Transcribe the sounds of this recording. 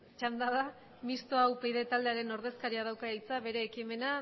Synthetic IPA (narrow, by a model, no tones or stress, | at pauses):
t͡ʃand̪aða | mist̪oawpejðe̞t̪ald̪e̞aɾe̞no̞ɾðe̞skaɾiaðawkaijt͡saβe̞ɾe̞ːkime̞na